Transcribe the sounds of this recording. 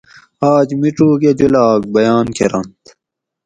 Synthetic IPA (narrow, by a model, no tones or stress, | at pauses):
aːd͡ʑmiʈ͡ʂuːɡed͡ʑulaːk̚bɐjaːnkʰeɾɐ̰nt̪